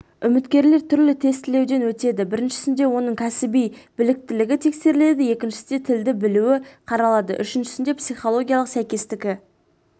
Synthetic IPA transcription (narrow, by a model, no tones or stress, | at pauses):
ʏmɪt̪kʲe̞ɾle̞ɾt̪ʰʏɾlɪt̪ʰe̞st̪ɪle̞wd̪e̞nwɵt̪e̞d̪ɪbɪɾɪnʃɪ̥sɪnd̪e̞wo̞nəɴkʲʰæsɪbijbɪlɪk̚t̪ɪlɪɡʲɪt̪ʰe̞kse̞ɾɪle̞d̪ɪje̞kʲɪnʃɪsɪd̪et̪ʰɪld̪ɪbɪluwɪqʰɑɾɑlˠɑd̪əʔʏʃɪnʃɪ̥sɪnd̪epsijχolˠo̞ɡʲijalˠəqsæjkʲe̞st̪ɪkʲɪ